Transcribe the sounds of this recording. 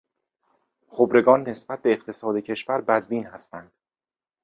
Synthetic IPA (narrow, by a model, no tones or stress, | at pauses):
χobɾe̞ɡɒːnːe̞sb̥æt̪̚be̞ːqt̪ʰe̞sɒːd̪ecʰe̞ʃvæɾbæd̪̚biːnhæst̪ænd̪̥